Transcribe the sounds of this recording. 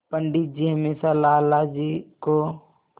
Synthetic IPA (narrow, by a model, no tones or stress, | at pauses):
pəɳɖit̪̚d͡ʒiɦəmeːsalaːlad͡ʒiko